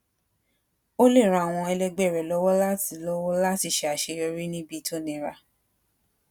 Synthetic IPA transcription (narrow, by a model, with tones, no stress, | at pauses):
o˦le˦˨ɾ̃ã˧˨a˨w̃ɔ̃˧ɛ˧lɛ˧ɡ͡bɛ˦˨ɾɛ˨lɔ˦wɔ˦la˦ti˨lɔ˦wɔ˦la˦ti˧˨ʃe˧˦a˨ʃe˧ɔ˧ɾi˦nĩ˦bi˦˧˦tʰo˦nĩ˨˧˨ɾa˧